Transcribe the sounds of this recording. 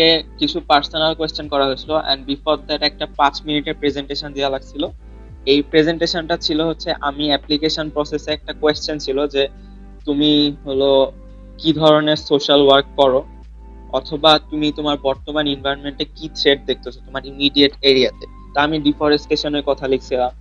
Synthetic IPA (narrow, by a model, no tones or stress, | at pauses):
ekit͡ɕʰupaɾsonalkwest͡ɕonkɔɾaɦoet͡ɕʰiloʔɛ̰nɖbifɔɾd̪aʈɛk̚ʈapat͡ɕminiʈeɾpɾed͡ʑeɳʈeʃond̪ialaɡ̚t͡ɕʰilo | ejpɾed͡ʑeɳʈeʃonʈat͡ɕʰiloɦotːɕʰeʔamiɛplikeʃonpɾɔseseɛk̚ʈakwest͡ɕont͡ɕʰilod͡ʑe | t̪umiɦolo | kid̪ʱɔɾoneɾsoʃalwaɾk̚ːɔɾo | ɔt̪ʰobat̪umit̪omaɾbɔɾt̪omaninvʱajonmeɳʈekit̪ɾeʈ̚d̪ek̚ʰt̪ot͡ɕʰot̪omaɾimiɖieʈeɾiat̪e | t̪aamiɖifɔɾesʈeʃonokɔt̪ʰalekʰt͡ɕʰilam